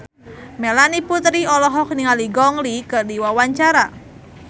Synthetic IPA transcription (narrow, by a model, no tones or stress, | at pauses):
melaniput̪ɾiɔlɔɦɔk̚niŋaliɡɔŋlikɨrdiwawaɲt͡ʃaɾa